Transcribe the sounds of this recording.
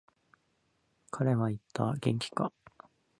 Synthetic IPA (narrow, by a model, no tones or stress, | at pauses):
kʰaɾe̞βait̪ːa̰ɡẽ̞̰ŋkʲi̥ka